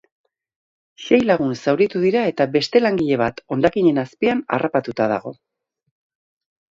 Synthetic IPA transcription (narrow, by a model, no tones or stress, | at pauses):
ʃe̞jlaɣunsawɾit̪uðiɾae̞t̪abe̞st̪e̞laŋɡiʎe̞β̞at̪o̞nd̪akiɲe̞naspiana̰rʔapat̪ut̪að̞a̰ɣ̞o̞̰